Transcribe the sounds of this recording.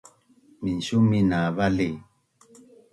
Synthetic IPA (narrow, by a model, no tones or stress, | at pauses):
minʃuminaβale